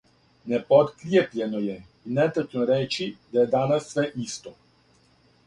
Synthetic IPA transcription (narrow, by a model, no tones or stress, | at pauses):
nɛpɔt̪kɾjeplʲɛnɔjɛ | inɛt̪at͡ʃnɔɾɛːt͡ʃid̪ajɛd̪aːnasːʋɛʔist̪ɔ